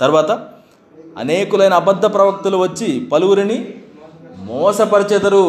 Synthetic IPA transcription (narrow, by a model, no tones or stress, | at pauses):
t̪ɐɾuʋaːt̪ɐ | ɐ̰neːkulɐjnɐːbɐd̪ʱːɐpɾɐʋɐk̚t̪uluʋɐt͡ʃːipɐluwuɾini | mɔːsɐpɐɾit͡ʃɐt̪ɐɾu